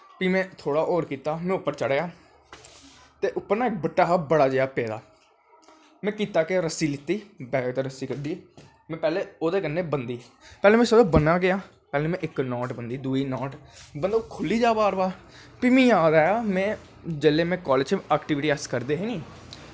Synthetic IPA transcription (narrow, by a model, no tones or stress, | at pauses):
piːmɛ̃ːt̪ʰoːɽaːʔoːɾkiːt̪aːmɛ̃ːʊpːəɾt͡ʃəɽjaː | t̪eːʔʊpːəɾnaːɪk̚bəʈːaːɦabəɽaːd͡ʒeːjaːpɛːd̪a̰ː | mɛ̃ːkiːt̪aːkeɾəsiːlɪt̪ːiːbɛːt̪eːɾəsiːkəɾd̪iː | mɛ̃ːpɛːleːoːd̪eːkənːeːbənd̪iː | pɛːleːmɛ̃ːsəd̪õːbənaːɡɪjaː | pɛːlẽːmɛ̃ːʔɪknɔːʈbənd̪iːd̪uːiːnɔːʈbənd̪oːkʰʊlːiːd͡ʒaːbaːɾbaː | piːmĩːjaːd̪aːjaːmɛ̃ː | d͡ʒeleːmɛ̃ːkɔːlɪd͡ʒt͡ʃʰːɛːkʈɪːʋɪʈiːəskəɾd̪eːɦeːnĩː